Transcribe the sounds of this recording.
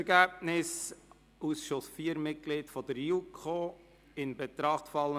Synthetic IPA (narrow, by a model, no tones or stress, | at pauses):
ɾɡæːbnɪs | usʃʊsfiːəɾmɪt̚klɪːdfɔd̥̪əɾjukʰoː | ɪnbɛt̪ɾɑχtfɑlə